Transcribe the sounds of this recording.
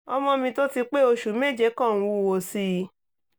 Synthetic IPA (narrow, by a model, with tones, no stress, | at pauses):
ɔ˧mɔ̃˧mĩ˧to˦ti˧k͡pe˦o˧ʃu˨˦me˦˨d͡ʒe˦kɔ̃˦˨ũ˨˧˦wo˧˨si˧